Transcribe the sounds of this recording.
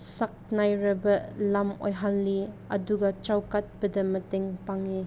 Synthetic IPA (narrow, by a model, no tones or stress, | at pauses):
sɐk̚najɾɐbɐlɐmɔ̰jɦalːiɐ̰duɡat͡ʃawkɐt̪̚b̥ɐdɐmɐteŋpaŋi